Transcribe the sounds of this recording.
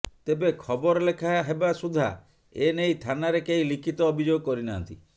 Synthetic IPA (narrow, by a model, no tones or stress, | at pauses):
t̪ebekʰɔbɔɾɔlekʰaɦebasud̪ʱa̰ | enejt̪ʰanaɾekeĩlikʰit̪ɔːbʱid͡ʒoɡɔkɔɾinant̪i